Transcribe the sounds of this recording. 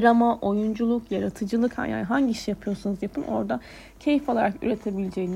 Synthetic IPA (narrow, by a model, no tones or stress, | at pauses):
ɾamaʔo̞jund͡ʒulˠukjaɾat̪ʰɯd͡ʒɯlˠɯkha̰ja̰nɦaɲɟiiʃijapʰɯjo̞ɾsunuzjapʰɯno̞̰ɾd̪a | cʰe̞jifo̞lˠaɾaky̰ɾe̞t̪ʰebilʲed͡ʒejn